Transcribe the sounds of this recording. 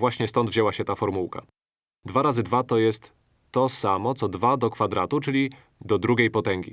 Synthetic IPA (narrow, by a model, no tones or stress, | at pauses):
vwaɕɲɛst̪ɔnd̪vʑɛwaɕɛt̪afɔɾmuwka̰ | d̪vaɾazɘd̪vat̪ɔjɛst̪ː | ɔsamɔt̪sɔd̪vad̪ɔkfad̪ɾat̪ut͡ʂɘlʲi | d̪ɔd̪ɾuɡʲejpɔt̪ɛŋɡʲḭ